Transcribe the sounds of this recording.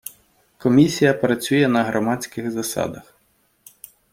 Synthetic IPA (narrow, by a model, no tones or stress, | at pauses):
kɔmʲisʲijɐpɾɐt͡sʲujɛnɐɦɾɔmɑt͡sʲkɪxzɐsɑ̰d̪ɐx